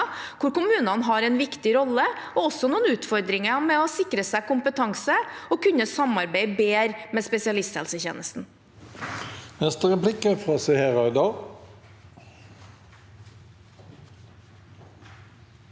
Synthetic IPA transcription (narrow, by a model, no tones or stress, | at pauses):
kʰʊɾkʊmʉːnɑnɦɑɾɛɪnʋɪkt̪ɪɾɔlːəɔɔsːɔnuːənʉːt̪fɔɾd̪ɾɪŋəmɛɔsɪkɾəsæɪkʊmpət̪ʰɑŋsəɔkʉnːəsɑmɑɾbeɪbeːɾmɛspɛsɪɑlɪst̪hɛ̰lsəçḛːnəst̪n̩ | nɛst̪əʁɛplɪkəfʁɑːsɛheːɾɑɪd̪ɑl